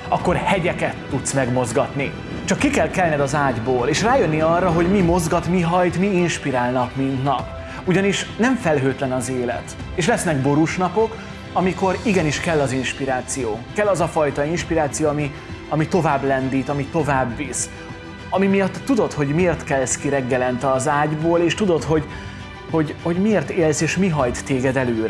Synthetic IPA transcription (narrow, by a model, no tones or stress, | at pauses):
ɒkːo̞rhɛɟɛkɛt̪ːut̪smɛɡmo̞zɡɒt̪ni | t͡ʃɒkːikɛlkɛlnɛd̪ɒzaːɟboːleːʃraːjønːiɒrːɒɦo̞ɟmimo̞zɡɒt̪miɦɒjt̪miːnʃpiɾaːlnɒkmind̪nɒp | uɟɒniʃnɛɱfɛlɦøːt̪lɛnɒzeːlɛ̰t̪ | eːʃlɛsnɛɡbo̞ɾuʃnɒpo̞k | ɒmiko̞ɾiɡɛniʃkɛlːɒzinʃpiɾaːt̪sijoːkɛlːɒzɒfɒjt̪ɒinʃpiɾaːt̪sijoːɒmi | ɒmit̪o̞vaːblɛnd̪iːt̪ɒmit̪o̞vaːbːiːs | ɒmimijɒt̪ːud̪ot̪ho̞ɟmeeːrt̪kɛlskiɾɛɡːɛlɛnt̪ɒzaːɟboːleːʃt̪ud̪o̞t̪ɦo̞ɟ | ho̞ɟho̞ɟmeːrt̪eːlseːʃmiɦɒjt̪ːeːɡɛd̪ɛløːɾɛ